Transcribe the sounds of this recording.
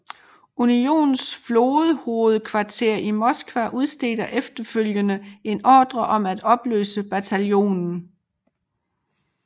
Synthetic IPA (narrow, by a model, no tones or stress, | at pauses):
unio̝̰ːnn̩sflo̝ːð̩ˠho̝ːð̞̩ˠkʰʋɑ̈t͡sʰe̝ɐ̰imɒ̽sɡ̥ʋæʔuð̞ˠsd̥e̝̰ːd̥ɐʔefd̥ɐføljənəe̝nɒ̰ːd̥ʁɐʔɒ̽mæd̥ɒ̽b̥lø̰ːsəb̥æt͡sʰæljo̝̰ːnn̩